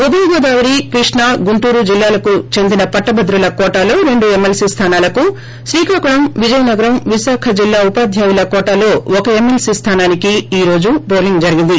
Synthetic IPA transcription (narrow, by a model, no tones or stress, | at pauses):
ud̪ɐlɡɔːd̪aːʋɐɾikɾiʂɳɐɡuɳʈuːɾud͡ʒilːaːlɐkut͡ʃe̞nd̪inɐpɐʈːɐbɐd̪ɾulɐkɔːʈalo̞ːɾe̞ɳɖue̞mːelsiːst̪ʰaːnaːlɐku | ʃɾiːkʰaːkuɾɐmʋid͡ʒɐjɐnɐɡɐɾɐmʋisaːkʰɐd͡ʒilːaːupaːd̪ʱjaːjulɐkɔːʈalo̞ːɔkɐe̞mːelsiːst̪ʰaːnaːnikiiːɾo̞ːd͡ʒupoːɾliŋɡd͡ʒɐɾiɡind̪i